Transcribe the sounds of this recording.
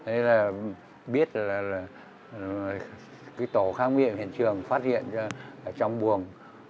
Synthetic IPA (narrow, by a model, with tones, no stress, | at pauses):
ɗə˨˦laː˨˩ | ɓi˦˥ət̚laː˨˩laː˨˩˨ | kɨː˨˦jt̪o˧˩˦xaː˧ŋwḭ˧˨əmhḭ˧˨nt͡ɕɨ˨˩əŋfaː˦˥t̚hḭ˧˨ənt͡ɕɔ˧ʔt͡ɕɔ˧wŋ͡mɓu˨˩əŋ